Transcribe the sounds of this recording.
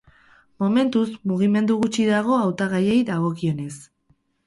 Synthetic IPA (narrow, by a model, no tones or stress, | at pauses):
mo̞me̞nt̪uzmuɣ̞ime̞nd̪uɣut͡ʃiðaɣ̞o̞awt̪aɣaje̞jðaɣo̞kio̞ne̞s